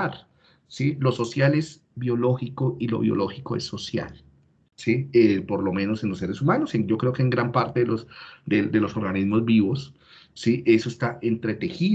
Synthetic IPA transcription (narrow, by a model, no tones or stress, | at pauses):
aɾ | silo̞so̞sjale̞z | bjo̞lo̞xiko̞ilo̞̰βjo̰lo̞xiko̞esːo̞sja̰l | siepo̞ɾlo̞mẽ̞no̞se̞nlosːe̞ɾesumanoseŋd͡ʒo̞kɾe̞okeːŋɡɾampaɾt̪eðelosd̪ed̪e̞lo̞so̞ɾɣanizmo̞zbiβo̞sː | iʔe̞soest̪aʔe̞nt̪ɾe̞t̪e̞xi